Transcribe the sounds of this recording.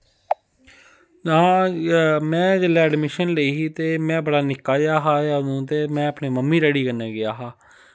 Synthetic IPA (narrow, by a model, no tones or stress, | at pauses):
ãː | mɛ̃ːd͡ʒəlɛːɛɖmɪʃənləiːɦiːt̪eːmɛ̃ːbəɽaːnɪkːaːɡɪjaːɦaːjaːnũːt̪eːmɛ̃ːəpneːməmːiːɾɛɽiːkənːeːɡɪjaːɦaː